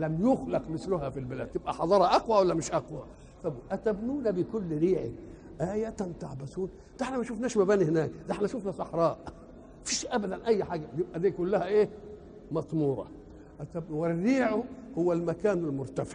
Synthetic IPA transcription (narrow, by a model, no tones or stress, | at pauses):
læmjʊxlɑqmɪslʊhæfilbɪlæ̰d̪̚t̪ɪbʔæħɑd̪ˤɑːɾˤɑʔɑqwawalːæmɪʃʔɑqwa | fæbʔæt̪æbnuːnabɪkʊlːɾiːʕɪ̰k | ʔaːjæt̪ant̪aʕbæsuːn | d̪aeħnæmæʃufnæːʃmæbæːnihɪnæːkd̪aħnæʃuːfnasˤɑħɾˤɑːʔ | fiːʃʔæbæd̪ænʔæjːħaːɡæjɪb̚ʔæd̪iːkʊlːæhæʔeː | mɑt̪ˤmuːɾˤɑ̰ | ʔæt̪æb̚nuwɪrːiːʕʊhʊwːælmækaːnalmʊɾt̪afɪ̥ʕ